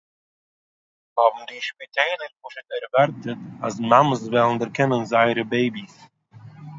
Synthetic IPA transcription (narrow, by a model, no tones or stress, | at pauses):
hɔbm̩diʃpitʰeɪlˠəɾkʊʃətɛɾvaɾtətasmaməsvɛlˠn̩dəɾkɪnənzaɪɾəbeɪbis